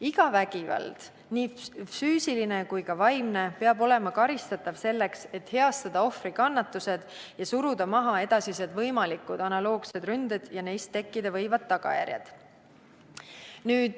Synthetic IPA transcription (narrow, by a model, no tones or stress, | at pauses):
iɡ̥ɑvæɡ̥ivɑ̰ld̪̥ | nifyːsiline̞kujkɑvɑjmne̞pe̞ɑbo̞le̞mɑkɑɾist̪ɑt̪ːˑɑvse̞lːekse̞t̪he̞ɑst̪ɑd̪̥ɑo̞frikɑnːɑt̪ːˑuse̞d̪̥ | jɑsuɾud̪ɑmɑɦɑe̞d̪ɑsise̞d̪vɤjmɑlikːud̪̥ɑnɑlo̞ːɡ̥se̞d̪rynd̪̥ed̪̥jɑne̞jst̪ːe̞kːid̪̥ɑvɤ̞jvɑd̪̚ːɑɡ̥ɑ̰jæ̰rʲjɑ̰d̪̥ | nyːd̪̥